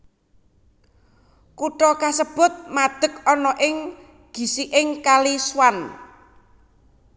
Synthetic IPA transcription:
kuʈɔkasəb̥ʊ̤t̪̚mad̪̥ə̤k̚ɔnɔʔɪŋ | ɡ̥i̤siʔɪŋkaliswan

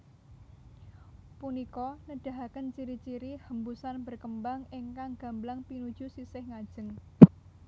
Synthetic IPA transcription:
punikɔnəɖ̥a̤ɦakənt͡ʃiɾit͡ʃiɾihəmbusanbərkəmbaŋeŋkaŋɡ̥a̤mblaŋpinud̥ʒ̥ṳsisɪhŋad̥ʒ̥əŋ

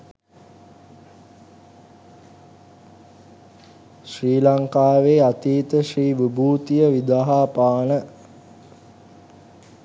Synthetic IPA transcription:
ʃriːlaŋkaːʋeːat̪iːt̪əʃriːʋibuːt̪ijəʋid̪aːɦaːpaːnə

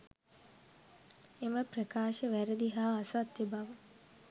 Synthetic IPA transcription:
eməprəkaːʃəʋæɾəd̪iɦaːsat̪ːebaʋə

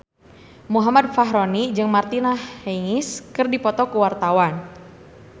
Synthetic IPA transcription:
muɦamad̚faɦɾonid͡ʒɨŋmart̪inahːeŋɪskɨrdipɔt̪ɔkuwart̪awan

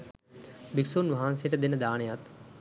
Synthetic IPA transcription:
biksoːnʋɐɦaːnsijəʈəd̪enəd̪aːnejat̪

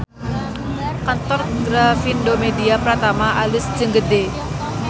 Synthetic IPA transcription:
kant̪ɔrɡɾafindomediapəɾat̪amaʔalɪsd͡ʒəŋɡəde

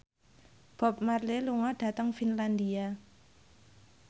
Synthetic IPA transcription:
b̥ɔ̤p̚marleluŋɔɖ̥ä̤t̪əŋfinland̪ia

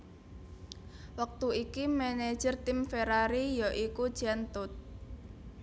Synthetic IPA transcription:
wək̚t̪uikimɛne̥d͡ʒ̥ərt̪ɪmfeɾaɾijɔʔikud̥ʒ̥ant̪ʊt̪̚

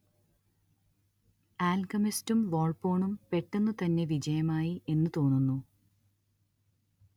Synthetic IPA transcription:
aːlɡɐmistumʋo̞ːɭpo̞ːɳumpe̞ʈːenːut̪ɐnːe̞ʋid͡ʑɐjɐmaːjie̞nːɨt̪o̞ːnːunːu

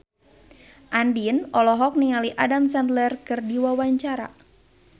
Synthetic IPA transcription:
ʔandinɔlɔɦɔk̚niŋaliʔadamsant̪lɛrkɨrdiwawaɲt͡ʃaɾa̰

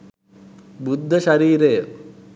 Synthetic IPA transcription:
bud̪ʱːɐʃɐɾiːɾeː

